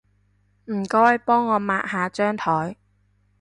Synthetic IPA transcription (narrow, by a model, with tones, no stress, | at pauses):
m̩˨˩kɔː˥˨jpɔː˥ŋːɔː˨˧maː˧ʔ̚haː˨˧t͡ʃœː˥ŋt̪ʰɔː˨˥j